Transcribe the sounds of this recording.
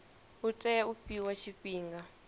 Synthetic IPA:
utʼɛupiwaʃiɸiːŋɡa

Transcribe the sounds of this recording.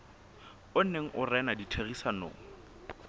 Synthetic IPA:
ʊn̩neŋ̩ʔʊrɛnaditʰeɣisano̰ːŋ̩

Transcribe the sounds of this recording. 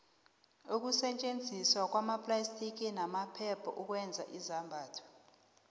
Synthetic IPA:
uk̬ʼusɛt͡ʃʼend͡zʱiswak̬ʼwamapʼlastʰʼik̬ʼinamapʰɛpʰɔʔuk̬ʼwɛnd͡zʱa̰ʔizambʱaːtʰɔ̥

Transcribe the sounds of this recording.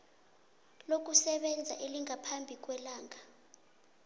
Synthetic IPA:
lok̬usɛɓɛnd͡zʱa̰ʔeliŋʱapʰambʱik̬ʼwɛlaːŋa

